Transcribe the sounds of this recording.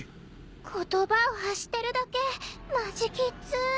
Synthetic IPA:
kʰo̞t̪o̞baoɦaɕi̥t̪ːe̞ɾɯ̟d̪ake̞maʑikʲit͡sɨ

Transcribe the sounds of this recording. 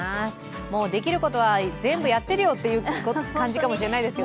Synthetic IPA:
as | mo̞ːd̪e̞kʲiɾɯ̟ko̞t̪o̞βazẽ̞mbɯjat̪ːe̞ɾɯ̟jo̞t̪ːe̞jɯ̟ːkokãɲ̟d͡ʑikamo̞ɕiɾe̞naid̪eske

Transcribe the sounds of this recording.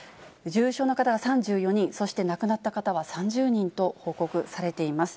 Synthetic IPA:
d͡ʑɨːɕo̞ːnokat̪aɡasãɲd͡ʑɨːjo̞ɲ̟ĩɰ̃so̞ɕi̥t̪e̞nakɯ̟nat̪ːakat̪aβasãɲ̟d͡ʑɨːɲ̟ĩnt̪o̞ho̞ːko̞kɯ̟saɾe̞t̪e̞imasɨ̥

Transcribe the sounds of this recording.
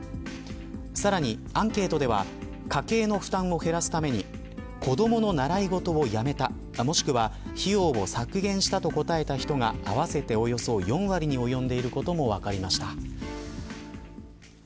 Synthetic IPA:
saɾaɲ̟iãŋke̞ːt̪o̞d̪e̞βa̰ | kake̞ːno̞ɸɯ̟̥t̪ãɰ̃o̞he̞ɾasɨ̥t̪ame̞ɲ̟i | ko̞d̪o̞mo̞no̞naɾaiɡo̞t̪o̞ːjame̞t̪a | mo̞ɕi̥kɯ̟βaçijo̞ːbo̞sakɯ̟ɡẽ̞ɰ̃ɕi̥t̪at̪o̞ko̞t̪ae̞t̪açi̥t̪o̞ŋaːβase̞t̪e̞o̞jo̞so̞jõ̞ɰ̃βaɾʲiɲ̟io̞jõ̞nd̪e̞iɾɯ̟ko̞t̪o̞mo̞β̞akaɾʲimaɕi̥t̪a

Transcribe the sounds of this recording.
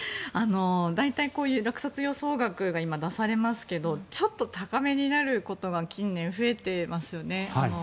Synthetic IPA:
ano̞d̪ait̪aiko̞ːjɯ̟ːɾakɯ̟̥sat͡sɨjo̞so̞ːɡakɯ̟ɡaimad̪asaɾe̞masɨ̥ke̞d̪o̞t͡ɕo̞t̪ːo̞t̪akame̞ɲ̟inaɾɯ̟ko̞t̪o̞ɡakʲĩnːẽ̞ɰ̃ɸɯ̟e̞t̪e̞masɨjo̞ne̞ano

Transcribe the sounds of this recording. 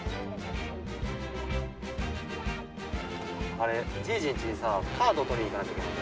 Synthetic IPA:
aɾed͡ʑiːd͡ʑĩɲt͡ɕiɲisaːkʰaːd̪ot̪oɾʲĩikanakake

